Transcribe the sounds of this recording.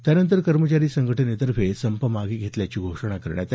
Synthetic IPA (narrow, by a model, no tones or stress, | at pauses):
t̪janənt̪əɾkəɾmət͡ɕaɾiːsəŋɡʱəʈʰənet̪əɾʋʱesəmpəmaɡiːɡʱet̪ljat͡ɕiːɡʱoʂəɳakəɾɳjat̪